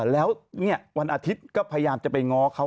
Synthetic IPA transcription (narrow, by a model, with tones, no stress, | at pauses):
lɛː˦˥wni˥˩ɐwa˧nʔaː˧t̪ʰi˦˥t̪̚kɔː˥˩pʰa˧ja˧jaː˧mt͡ɕa˨˩pa˧jŋɔː˦˥kʰa˦˥